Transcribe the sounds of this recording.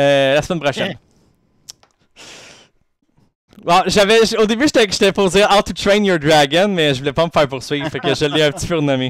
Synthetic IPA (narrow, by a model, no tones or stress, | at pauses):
ølasmɛnpχɔʃɛn | waʒavɛʒod̪ebyʃt̪ɛʒ̥t̪ɛpozeat̪ut̪ɹẽɪ̃njɔɹd̪ɹaɡənmɛʒəvulɛpaməfæːʁpuʁsɥivfakəʒəliɛ̃pət̪i̥pyʁnami